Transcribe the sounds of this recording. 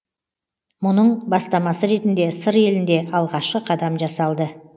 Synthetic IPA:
mʊnəɴbɑst̪ɑmɑsəɾe̞t̪ɪnd̪e̞səɾe̞lɪnd̪e̞ʔɑlˠʁɑʃqəqʰɑd̪ɑmʒɑsɑlˠd̪ə

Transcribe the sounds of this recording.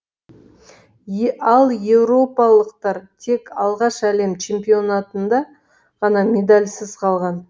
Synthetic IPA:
ɑlˠje̞vɾo̞pɑlˠəqt̪ɑɾt̪ʰe̞kʰɑlˠʁɑʃæle̞mt͡ʃʰe̞mpio̞nat̪ənd̪ɑ | ʁ̥ɑnɑmʲe̞d̪alʲsɪzqʰɑlˠʁɑn

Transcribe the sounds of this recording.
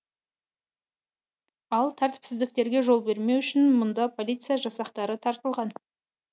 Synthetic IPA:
ɑlˠt̪ʰæɾt̪ɪ̥psɪzd̪ɪk̚t̪e̞ɾɡʲe̞ʒo̞lˠbe̞ɾme̞wʏʃɪnmʊnd̪ɑpʰo̞lʲijt̪sɨjaʒɑsɑqt̪ɑɾət̪ʰɑɾt̪əlˠʁɑn

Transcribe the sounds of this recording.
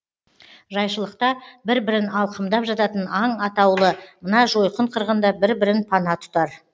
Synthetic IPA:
ʒɑjʃəlˠəqt̪ɑbɪɾbɪɾɪnɑlˠqəmd̪ɑpʒɑt̪ɑt̪ənɑɴɑt̪ɑwlˠəmənɑʒo̞jqəɴqʰəɾʁənd̪ɑbɪɾbɪɾɪnpʰɑnɑt̪ʰʊ̥t̪ɑɾ

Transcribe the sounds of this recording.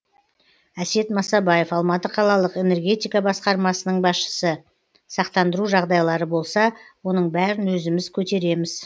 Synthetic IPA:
æse̞t̪mɑsɑbɑje̞fɑlˠmɑt̪əqʰɑlˠɑlˠəqe̞ne̞rɡʲe̞t̪ijkɑbɑsqɑɾmɑsənəɴbɑsʃə̥sə | sɑqt̪ɑnd̪əɾuʒɑʁd̪ɑjlˠɑɾəbo̞lˠsɑwo̞nəɴbæɾɪnwɵzɪmɪzkʲʰɵt̪e̞ɾe̞mɪz̥

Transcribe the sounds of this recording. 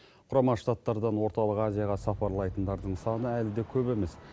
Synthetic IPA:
qʰʊɾɑmɑʃt̪at̪ːɑɾd̪ɑnwo̞ɾt̪ɑlˠəqazijɑʁɑsɑpɑɾlˠɑjt̪ənd̪ɑɾd̪əɴsɑnəælɪd̪e̞kʲʰɵbe̞me̞s

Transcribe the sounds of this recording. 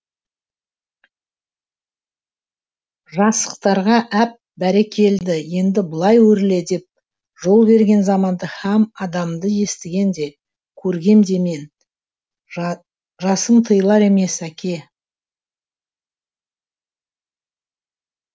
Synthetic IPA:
ʒɑsə̥qt̪ɑɾʁɑʔæp̚bæɾekʲʰe̞ld̪ɪje̞nd̪ɪbəlˠɑjwɵɾɪle̞d̪e̞p̚ | ʒo̞lˠbe̞ɾɡʲe̞nzɑmɑnd̪əhæmɑd̪ɑmd̪əje̞st̪ɪɡʲe̞nd̪e̞ | kʲʰɵɾɡʲe̞md̪e̞me̞n | ʒɑsəmt̪ʰəjlˠɑɾe̞me̞sækʲʰe̞

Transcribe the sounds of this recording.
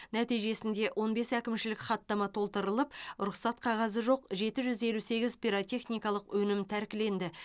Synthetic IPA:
næt̪ijʒe̞sɪnd̪e̞ʔwʔo̞nbe̞sækʲɪmʃɪlɪkχɑt̪ːɑmɑt̪ʰo̞lˠt̪əɾəlˠəp̚ɾʊχsɑt̪̚qʰɑʁɑzəʒo̞qʒe̞t̪ɪʒʏze̞luse̞ɡʲɪzpʲijɾot̪ʲe̞χnʲijkɑlˠəqwʔɵnɪmt̪ʰæɾkʲɪle̞nd̪ɪ

